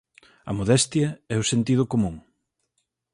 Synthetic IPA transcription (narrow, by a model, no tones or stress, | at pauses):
ɐ̰moðɛst̪jɐɛʊsent̪ið̞ʊkomũŋ